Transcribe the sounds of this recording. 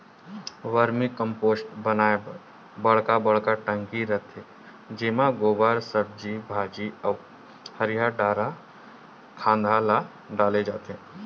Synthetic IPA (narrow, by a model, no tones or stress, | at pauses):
ʋəɾmikə̃mpoːsʈbənaːe | bɐɽ̤kabɐɽ̤kaʈə̃ŋkiɾət̪ʰe | d͡ʒɪːmãɡoːbaːɾsəb̚d͡ʒibʱaːd͡ʒiɔ | həɾijaɖaːɾa | kʰãːnd̪ʱala | ɖaːled͡ʒaːt̪eɦɛ̃